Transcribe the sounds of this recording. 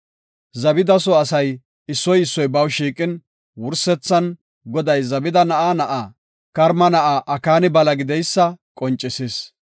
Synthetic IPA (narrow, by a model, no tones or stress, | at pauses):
zɐbɪd̪ɐsɔɐsɐj | ɪsːɔjɪsːɔjbɐwʃiːkʼɪn | wʊɾsɛt͡sːɐn | ɡɔd̪ɐjzɐbɪd̪ɐnɐʔaːnɐʔaː | kɐɾmɐnɐʔaːʔɐkaːnɪbɐlɐɡɪd̪ɛjsːɐkʼɔnt͡ʃʼːɪsis